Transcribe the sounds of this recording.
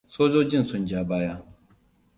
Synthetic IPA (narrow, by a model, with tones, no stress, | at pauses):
soː˦zoː˦d͡ʒɪ˦n˨sʊ˨nd͡ʒa˨baː˦ja˦˨